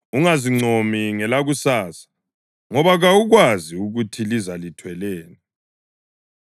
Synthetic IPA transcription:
uŋaziŋ͡ǀʱomiŋɛlaɣusaːsḁ | ŋɔβaɣauɣwaziuɣutʰilizalitʰwɛlɛːna

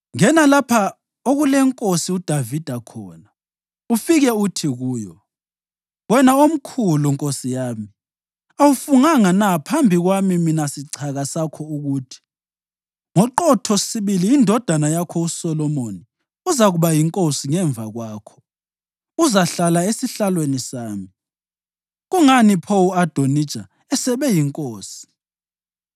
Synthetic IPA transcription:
ŋɛnalapʰa | oɣulɛŋkʼosiud̥ʱavid̥ʱakʰɔ̰ːna | ufiɣɛutʰiɣuːjɔ | wɛnaom̩kʰuluŋkʼosijaːmi | awufuŋaŋanapʰambʱiɣwamiminasiǀʰaɣasakʰɔuɣuːtʰi̥ | ŋɔǃɔtʰɔsiβiliːndʱɔd̥ʱanajakʰɔusɔlɔmoni | uzaɣuβajiŋkʼosiŋɛɱvʱaɣwaːkʰɔ̥ | uzaɬalaesiɬalwenisaːmi | ɣuŋanipʰowuad̥ʱonid̥t͡ʃʼa | ɛsɛβɛjiŋkʼoːsi̥

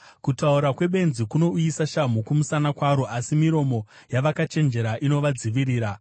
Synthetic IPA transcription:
kutauɾakwe̞ɓe̞nzikuno̞uisaʃam̤okumusanakwaɾoʔasimiɾo̞mo̞ | jaʋakat͡ʃe̞nd͡ʒe̞ɾaʔino̞ʋad͡ziʋiriːɾa

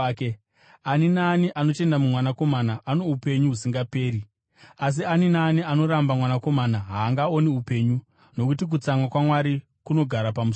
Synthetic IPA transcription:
e | aninaːniʔano̞te̞ndamumwanako̞manaʔanoupe̞ɲuɦusiŋɡape̞ːɾi | as̬ianinaːniano̞ɾambamwanako̞manaɦaːŋɡao̞niupe̞ːɲu | no̞kutik̬ut͡samwakwamwaɾi | kuno̞ɡʱaɾapamus

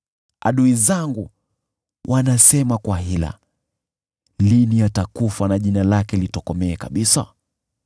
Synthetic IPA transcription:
a̰ɗuizaŋɡu | wʔanasɛmakwahila̰ | linijatakufanaʄinalakɛlitɔkɔmɛːkaɓisa̰

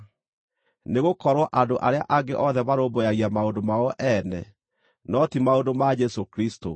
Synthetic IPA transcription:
neɣokɔɾwaʔandoʔaɾea̰ʔaɡeʔɔðɛβaɾoːbojaɣiamaondomaoʔɛnɛ̰ | nɔtimaondomad͡ʒɛsokɾisto̰

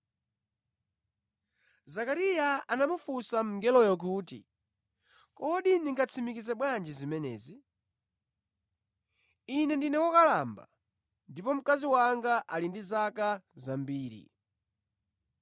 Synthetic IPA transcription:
zakaɾijaanamufusam̩ŋɡɛlɔjɔk̬uːtḭ | kɔɗiniŋɡat͡sʰimikizɛɓwand͡ʒizimɛnɛ̰ːzi | inɛndinɛwɔkalamba̰ | ndipɔm̩kaziwaŋɡaʔalindizakazambiːɾḭ

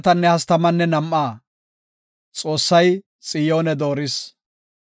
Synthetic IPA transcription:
t̪ɐnːɛhɐst̪ɐmɐnːɛnɐmʔaː | t͡sʼo̞ːsːɐj | t͡sʼɪjoːnɛd̪o̞ːɾɪs

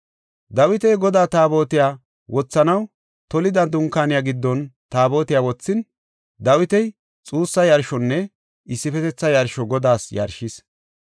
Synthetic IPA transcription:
d̪ɐwɪt̪ɛjɡɔd̪aːt̪aːbo̞ːt̪ɪjaː | wʔɔt͡sːɐnɐw | t̪ɔlɪd̪ɐd̪ʊŋkːaːnɪjaːɡɪd̪ːɔnt̪aːbo̞ːt̪ɪjawɔt͡sːɪn | d̪ɐwɪt̪ɛj | t͡sʼuːsːɐjɐɾʃɔnːɛ | ʔɪsːɪfɛt̪ɛt͡sːɐjɐɾʃɔɡɔd̪aːsjɐ̰ɾʃɪs

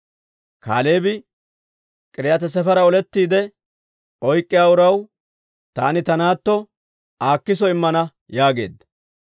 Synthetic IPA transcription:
ka̰ːle̞ːbɪ | kʼɪɾɪjɐt̪ɛs̬ɛfɐɾɐɔlɛt̪ːiːd̪ɛ | ɔjkʼːɪjaːʊɾɐw | t̪aːnɪt̪ɐnaːt̪ːɔ | aːkːɪs̬ɔɪmːɐnɐ | jaːɡe̞̰ːd̪ɐ

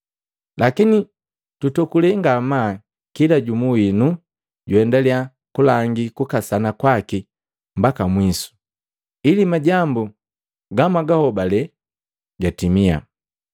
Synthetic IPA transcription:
lakini | tutɔkulɛŋɡama | kilaɟumuinu | ɟuɛndalia | kulaŋɡikukasanakwaki | mbakamwisu̥ | ilimaɟambu | ɡamaɡahɔbalɛ | ɡatimia̰

